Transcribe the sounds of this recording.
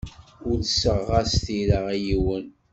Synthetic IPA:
ʊɾθsəʁːasθiɾəʁijiwən

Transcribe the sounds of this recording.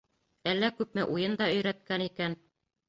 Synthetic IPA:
ælːækʉp̚mɘʔujɤnd̪ɑɵ̆jɾæt̪̚kænikæn

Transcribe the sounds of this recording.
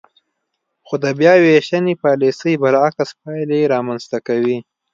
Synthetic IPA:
xod̪əbjɑweʃanipɑlisəjbaɾakaspɑjleɾɑmanzt̪akawi

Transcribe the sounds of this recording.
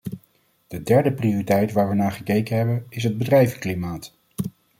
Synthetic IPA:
d̥ədɛɹdəprioritɛjtʋaːɹʋənaːχəkejkənɦɛbənɪs̬ɦəd̚bədrɛjvəklimaːt

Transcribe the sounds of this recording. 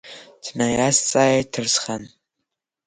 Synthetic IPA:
dʰnajaːst͡sʼaːjetʰɨrsχɐn

